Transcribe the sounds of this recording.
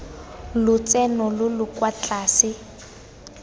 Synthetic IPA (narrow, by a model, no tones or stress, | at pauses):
lʊt͡sɛnɔlʊlʊkwat͡ɬaːsɪ